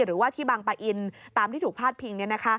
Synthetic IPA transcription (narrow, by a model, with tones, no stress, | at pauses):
ɾɯː˩˦waː˥˩t̪ʰiː˥˩baː˧ŋpa˧ʔi˧nt̪aː˧mt̪ʰiː˥˩uː˨˩k̚pʰaː˥˩t̪̚pʰi˧ŋni˥˩na˦˥kʰa˦˥